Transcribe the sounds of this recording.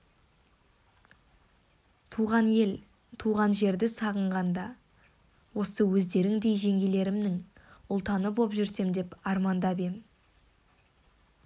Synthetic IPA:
t̪ʰuʁɑnel | t̪ʰuʁɑnʒe̞ɾd̪ɪsɑʁəɴʁɑnd̪ɑ | wo̞səwɵzd̪e̞ɾɪŋd̪e̞jʒe̞ŋɡʲe̞le̞ɾɪmnɪŋʊlˠt̪ɑnəbo̞pʒʏɾse̞md̪e̞pɑɾmɑnd̪ɑbe̞m

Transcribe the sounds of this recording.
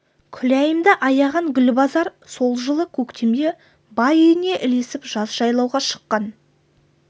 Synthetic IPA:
kʲʰʏlæjəmd̪ɪʔɑjɑʁɑŋɡʲʏlbɑzɑɾso̞lˠʒəlˠəkʲʰɵkt̪ʰe̞md̪e | bɑejɪne̞ʔɪle̞sɪpʒ̥ɑzʒɑjlˠɑwʁɑʃə̥qːɑn

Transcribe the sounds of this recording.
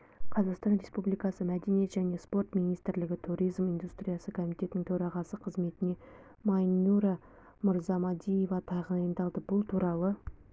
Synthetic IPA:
qʰɑzɑqst̪ɑnɾe̞spublijkɑsəmæd̪e̞nijet̪ʒæne̞spo̞rt̪mijnijst̪ɪɾlɪɡʲɪt̪ʰuɾʲijzmijnd̪ust̪ɾʲijɑsəkʰo̞mijt̪e̞t̪ɪnɪŋt̪ʰɵɾɑʁɑsəqʰəzme̞t̪ɪne̞ | mɑnuɾɑ | mʊɾzɑmɑd̪ije̞vɑt̪ʰɑʁənɑjənd̪ɑlˠd̪əbʊlˠt̪ʰuɾɑlˠə

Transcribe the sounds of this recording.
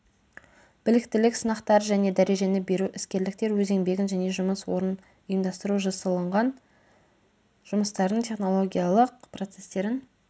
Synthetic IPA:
b̥ɪlɪk̚t̪ɪlɪksənɑqt̪ɑɾəʒæne̞d̪æɾe̞ʒe̞nɪbe̞ɾuʔɪskʲe̞ɾlɪk̚t̪e̞ɾwɵze̞ŋbe̞ɡʲɪnʒæne̞ʒʊməswo̞ɾən | ʊjəmd̪ɑst̪əɾuʒɑsəlˠəɴʁɑn | ʒʊməst̪ɑɾd̪əɴt̪ʲʰe̞χno̞lˠo̞ɡʲijalˠəq̚pro̞t̪se̞st̪e̞ɾɪn

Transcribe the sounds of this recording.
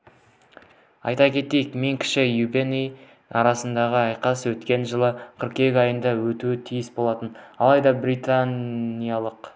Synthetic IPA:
ɑ̰jt̪ɑkʲʰe̞t̪e̞jɪkme̞ŋkʲʰɪ̥ʃɪjubenej | ɑ̰ɾɑsənd̪ɑʁəɑjqɑswɵt̪kʲe̞nʒəlˠəqʰəɾqe̞ɡʲɑjənd̪ɑwɵt̪uɪt̪ʰijɪsbo̞lˠɑt̪ənɑlˠɑjd̪ɑbɾit̪anijalˠəq

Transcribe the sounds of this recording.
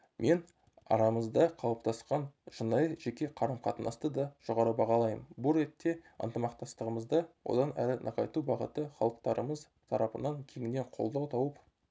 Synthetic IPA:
mʔe̞n | ɑ̰ɾɑməzd̪ɑqʰɑlˠəp̚t̪ɑsqɑnʒənɑjəʒekʲe̞qʰɑɾəmqʰɑt̪ənɑ̰st̪əd̪ɑʒ̥o̞ʁɑɾəbɑʁɑlˠɑjəmbʊlɾe̞t̪ːe̞ə̰nt̪əmɑq̚t̪ɑst̪əʁəməzd̪ɑwo̰d̪ɑnæɾɪnʔɑ̰qɑjt̪ubɑʁə̰t̪əχɑlˠəq̚t̪ɑɾəməz | t̪ʰɑɾɑpənɑŋkʲʰe̞ŋʲɪne̞ɴqʰo̞̰lˠd̪ɑt̪ʰɑwəp

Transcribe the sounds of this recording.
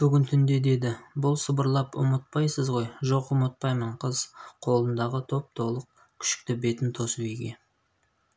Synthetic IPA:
b̥ʏɡʲɪnt̪ʰʏnd̪e̞d̪e̞d̪ɪbʊlˠsəbəɾlˠɑpʊ̰mət̪̚pɑjsəzʁo̞jʒo̞qʊmət̪̚pɑjməɴqʰəzqʰo̞lˠənd̪ɑʁət̪ʰo̞p̚t̪ʰo̞lˠəq̚ | kʲʰʏ̥ʃɪ̥k̚t̪ɪbe̞t̪ɪnt̪ʰo̞səbejɡʲe̞

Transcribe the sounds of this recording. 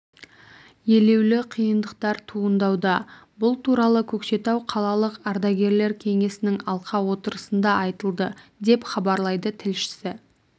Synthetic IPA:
je̞le̞wlɪqʰijənd̪əqt̪ɑɾt̪ʰuənd̪ɑwd̪ɑbʊlˠt̪ʰuɾɑlˠəkʲʰɵkʃe̞t̪ɑwqʰɑlˠɑlˠəqɑɾd̪ɑɡʲe̞ɾle̞ɾkʲʰe̞ŋe̞sɪnɪŋɑlˠqɑwo̞t̪əɾəsənd̪ɑɑjt̪əlˠd̪əd̪e̞pχɑbɑɾlˠɑjd̪ət̪ʰɪlʃɪ̥sɪ

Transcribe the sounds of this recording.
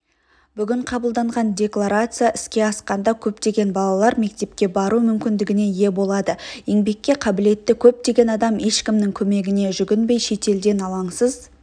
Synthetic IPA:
b̥ʏɡʲɪɴqʰɑbəlˠd̪ɑɴʁɑnd̪ʲe̞klˠaɾat̪sɨjaʔɪskʲe̞ɑsqɑnd̪ɑkʲʰɵp̚t̪e̞ɡʲe̞nbɑlˠɑlˠɑɾme̞k̚t̪e̞p̚kʲe̞bɑɾumʏmkʲɪnd̪ɪɡʲɪne̞je̞bo̞lˠɑd̪əje̞ŋbe̞kʲːe̞qʰɑbɪle̞t̪ːɪkʲʰɵp̚t̪e̞ɡʲe̞nɑd̪ɑme̞ʃkʲɪmnɪŋkʲʰɵme̞ɡʲɪne̞ʒʏɡʲɪnbe̞jʃe̞t̪e̞ld̪e̞nɑlˠɑɴsəz

